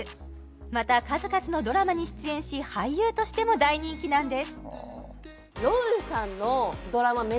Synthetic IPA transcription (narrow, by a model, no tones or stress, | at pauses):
mat̪akazɨkat͡sɨno̞d̪o̞ɾamaɲ̟iɕi̥t͡sɨẽɰ̃ɕihaijɯːt̪o̞ɕi̥t̪e̞mo̞d̪aiɲ̟ĩŋkʲinãnd̪e̞sɨ̥ | josãnːod̪o̞ɾamam